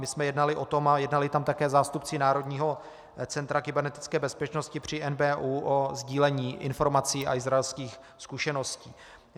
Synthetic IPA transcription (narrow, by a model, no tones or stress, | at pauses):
mɪsmɛjɛdnalɪʔo̞t̪o̞majɛdnalɪt̪amt̪akɛːzaːst̪upt͡sɪnaːɾo̞dɲiːɦo̞ | t͡sɛnt̪ɾakɪbɛɾnɛt̪ɪ̥t͡skɛːbɛspɛt͡ʃno̞scɪpr̝̥ɪʔɛnbɛːʔuːʔozɟiːlɛɲiːʔɪ̰nfo̞ɾmat͡siːa̰ʔɪzɾaɛlskiːx | skuʃɛnosciː